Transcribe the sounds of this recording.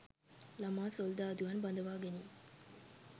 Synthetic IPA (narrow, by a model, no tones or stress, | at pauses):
lamaːsold̪aːd̪uʋanbɐnd̪əʋaːɡeniː